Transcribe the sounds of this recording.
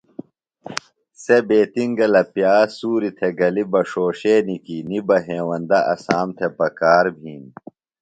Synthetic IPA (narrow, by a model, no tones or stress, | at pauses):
sebeːt̪iŋɡɐlɐpjaːsuːɾit̪ʰeɡɐlibɐʂoːɕeːnikinibɐɦeːwɐnd̪ɐʔɐ̰saːmt̪ʰepɐkaːɾbʱiːn